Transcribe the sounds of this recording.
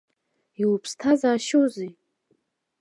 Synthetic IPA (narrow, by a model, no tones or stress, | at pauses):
iwpʰstʰazaːʃowzi